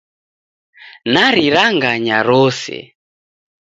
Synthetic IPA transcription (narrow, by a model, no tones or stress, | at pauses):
naɾiɾaŋɡaɲaɾɔsɛ̰